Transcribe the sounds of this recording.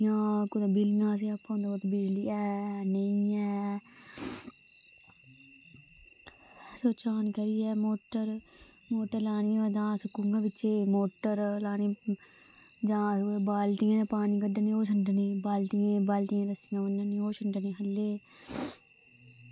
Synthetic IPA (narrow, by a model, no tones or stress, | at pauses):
jãːkʊd̪ẽːbɪlɪjãːseːapːãːd̪at̪bɪd͡ʒliːɛːnəĩːɛː | soːt͡ʃaːnkəɾiːɛːmoːʈəɾ | moːʈːəɾlaːniãːd͡ʒãːsəkːʊŋɡãːʋɪt͡ʃeːmoːʈːəɾlaːniː | d͡ʒãːbaːlt̪ijãːãːpaːniːkəɖəniːoːsəɳʈəneːbaːlt̪iẽːbaːlt̪ijẽːɾəsɪjãːʋənəniːoːʃəɳʈəneːɦəlːeː